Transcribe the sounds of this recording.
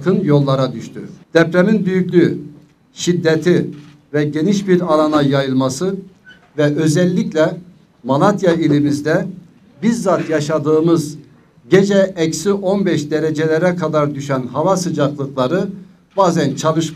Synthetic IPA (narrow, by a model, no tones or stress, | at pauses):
kʰɯnjo̞lˠːaɾad̪yʃt̪ʰyd̪̥ɛpɾeminbyjycʲlʲy | ʃid̪ːet̪ʰi | vɛɟe̞niʃbiɾalˠanajajɯlˠmasɯ | vɛʔø̞zɛlʲːiclʲɛ | malˠat̪ʰjailʲimizd̪ɛ | biɾzat̪jaʃad̪ɯːmɯz | ɟed͡ʒɛɛcsiʔo̞nbɛʃd̪eɾɛd͡ʒelʲɛɾɛkʰad̪aɾd̪yʃænɦavasɯd͡ʒaklˠɯklˠaɾɯ | b̥aːzænt͡ʃʰalˠɯʃ